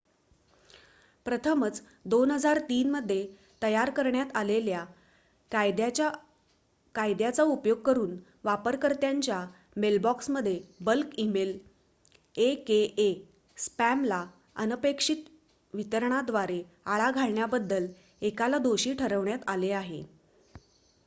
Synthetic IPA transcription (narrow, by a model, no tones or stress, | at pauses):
pɾət̪ʰəmət͡s | d̪onɦəd͡zaɾt̪iːnməd̪ʱːje | t̪əjaɾkəɾɳjat̪alelja | ajd̪jaa | kajd̪jat͡saupjoɡ̚kəɾuːn | ʋapəɾkəɾt̪jaɲt͡ɕja | melbɔksməd̪ʱːjebəlkimel | ekeʔe | spæmla | ə̰nəpekʂit̪ | ʋit̪əɾɳ̃ad̪ʋaɾe | aɭaɡʱaɭɳjabəd̪ːəl | ekalad̪oɕiːʈʰəɾəʋɳjat̪aleaɦḛ